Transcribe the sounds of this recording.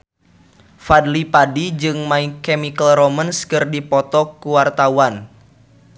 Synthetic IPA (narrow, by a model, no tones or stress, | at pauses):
fadlipadid͡ʒɨŋmaikɛmikəlɾɔmənskɨrdipɔt̪ɔkuwart̪awan